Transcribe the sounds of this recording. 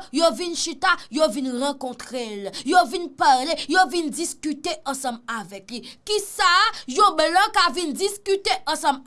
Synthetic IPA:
jovinʃit̪ajovinʁɑ̃kɔ̃t̪ʁeljovinpaʁlejovind͡ziskyt̪eʔɐ̃sɐ̃mavɛklikisajõblɔ̃kavind͡ziskyt̪eʔɐ̃sɐ̃m

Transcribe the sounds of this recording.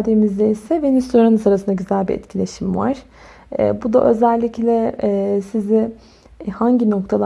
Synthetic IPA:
d̪emizd̪ʲeisɛvenest̪ʲoɾanɯsaɾasɯnd̪aɟyzælʲbḭʔɛ̰t̪cʰilʲe̞ʃimva̰ɾ̥̰ː | bud̪a̰ʔø̞zɛlʲːiclʲɛsizɪ | haɲɟino̞k̚t̪ʰalˠ

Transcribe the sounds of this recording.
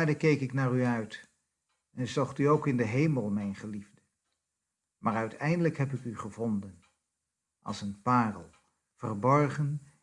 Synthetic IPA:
ɹdəkejkɪknaːryœɥt | ɛnzɔχtyowkɪndəɦejməlˠmɛjnχəlivdə | mʔaːrœɥtʰɛjndələkɦɛpɪkyχəvɔndən | ʔɑ̰lˠsənpaːrəlˠ | v̥ərbɔɹχən

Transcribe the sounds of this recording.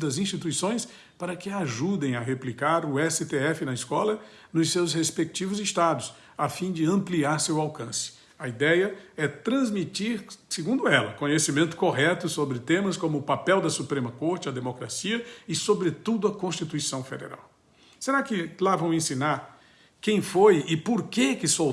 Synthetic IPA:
d̪ɐzĩst͡ʃit̪uisõj̃s | paɾɐkɪaʒud̪ẽj̃ɐɦeplikaɾʊɛsɪt̪eɛfɪnɐiskɔlɐ | nʊssewshespek̚t͡ʃivʊzɪst̪ad̪ʊs | afĩd͡ʒɪɐ̃mpliaɾsewawkɐ̃sɪ̥ | ɐid̪ɛjɐɛt̪ɾɐ̃zmit͡ʃiɾsɪɡũnd̪ʊɛlɐ̰kõɲesimẽnt̪ʊ̥koɦɛt̪ʊsobɾɪt̪ẽmɐskõmʊːpapɛwd̪ɐsupɾẽmɐkoɾt͡ʃɪɐd̪emokɾasiɐɪsobɾɪt̪ud̪ʊɐkõst͡ʃit̪uisɐ̃w̃fḛd̪ḛɾa̰w | seɾakɪlavɐ̃w̃ẽsĩnaɾ | kẽj̃fojɪpoɾkekɪso

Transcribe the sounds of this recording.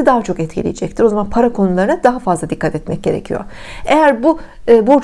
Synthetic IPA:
id̪aɦat͡ʃʰo̞kɛt̪cʰḭlʲḭjed͡ʒɛc̚t̪ʰiɾo̞zamanpʰaɾakʰo̞nulˠaɾɯnad̪aɦafazlˠad̪ikʰːat̪ɛt̪mɛc̚ɟe̞ɾḛcʰḭjo̰ɾ | ejæɾbu | ɯːbuɾt͡ʃ

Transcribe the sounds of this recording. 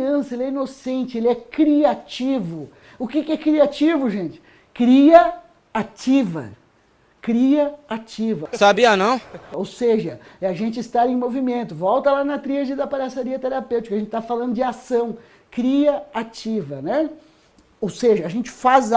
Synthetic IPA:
ɐ̃sɐelɪɛinosẽnt͡ʃɪelɪɛkɾiat͡ʃivʊ | ʊkɪkɪɛkɾiat͡ʃivʊʒẽnt͡ʃɪ̥ | kɾiɐ | at͡ʃivɐ̰ | kɾiɐat͡ʃivɐsabiɐnɐ̃w̃owseʒɐɛaʒẽnt͡ʃɪst̪aɾẽj̃movimẽnt̪ʊvɔwt̪ɐlanɐt̪ɾiʒɪd̪ɐpaɾasaɾiɐt̪eɾapewt͡ʃikɐʒẽtt͡ʃɪt̪afalɐ̃nd̪ʊd͡ʒɪasɐ̃w̃ | kɾiɐat͡ʃivɐnɛ | owseʒɐːʒẽnt͡ʃɪ̥faz

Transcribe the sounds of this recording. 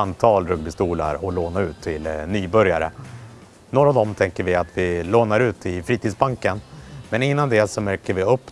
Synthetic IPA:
ant̪ʰɑːlɾɵɡ̚bɪst̪uːla̰ɾɔloːnaʉ̟ːt̪ʰːɪlnyːbœɾja̰ɾə̰ | noːɾavd̪ɔmt̪ʰɛŋkəɾvɪat̪vɪloːnaɾʉ̟ːt̪ɪfɾiːt̪ʰid̪sbaŋkənmɛnɪnːand̪ɛsɔmæɾkəɾvɪɵpː

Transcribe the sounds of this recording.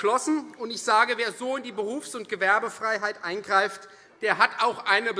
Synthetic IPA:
lɔsn̩ʊntɪçz̥aːɡəveːɐzoːɪndiːbəʁuːfsʊntɡ̥əvɛɐbəfʁ̥aɪɦaɪtʔaɪnɡʁaɪft | d̥eːɐɦatʔaʊxʔaɪnəb

